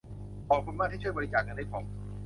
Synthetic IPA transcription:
ʔɔː˨˩pʰu˧nmaː˥˩t̚ʰht͡ɕʰu˥˩jbɔ˧ɾi˦˥t͡ɕaː˨˩k̚ːa˧nda˥˩kʰɔ˨˦m

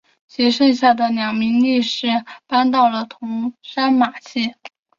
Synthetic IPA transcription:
ɕɛ˧˥ʂɤ˥˧ŋɕja˥˩d̪ə˩njɑ˨˩ŋmi˧˥ŋli˥˧ʂɻ̩˥˩pa˥nt̪̬ɑ˥˩ʊlə˩t̪ʰʊ˧˥ŋʂa˥nma˨˩t͡ɕʰi˥˩

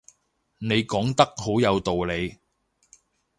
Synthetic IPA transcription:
ne˨˧jkɔː˨˥ŋt̪ɐ˥k̚ho˨˥wjɐ˨˧wt̪o˨wle˨˧j

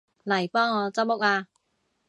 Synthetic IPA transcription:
lɐ˨˩jpɔː˥ŋːɔː˨˧t͡sɐ˥w̚mʊ˥k̚aː˧

